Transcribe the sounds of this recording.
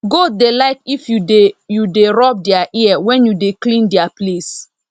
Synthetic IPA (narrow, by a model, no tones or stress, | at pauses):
ɡodelaɪkifjujudeɹɔp̚diaʔiawɛ̃njudeklĩndiaples